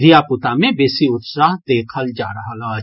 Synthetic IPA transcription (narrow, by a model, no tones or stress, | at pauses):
ɾijapʊt̪amẽbeːsiʊt̪saːɦd̪eːkʰəld͡ʒa̰ːɾəɦala